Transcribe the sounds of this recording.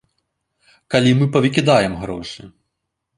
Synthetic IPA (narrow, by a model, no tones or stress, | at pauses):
kalʲimɨpɐvʲikʲid̪ajɛmɣɾɔʂɨ